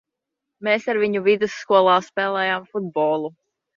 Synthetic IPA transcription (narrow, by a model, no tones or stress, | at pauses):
meːsaɾviɲuvid̪ɨsːkuɔlˠɑːspɛːlˠɛːjaːmfud̪̚bɔːlˠu